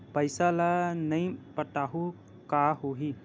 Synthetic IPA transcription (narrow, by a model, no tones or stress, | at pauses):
pəjsalanəjpəʈaɦu | kaɦoɦi